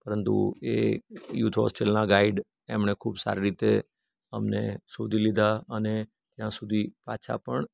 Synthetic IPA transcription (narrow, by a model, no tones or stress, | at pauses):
pəɾənt̪ṵejut̪ʰɦɔ̰sʈelnaɡaiɖ | ɛmɳekʰuːbsa̰ɾiɾit̪e | əmnḛsod̪ʱilid̪ʱaəne | t̪jãsud̪ʱipa̰t͡ʃʰa̰pəɳ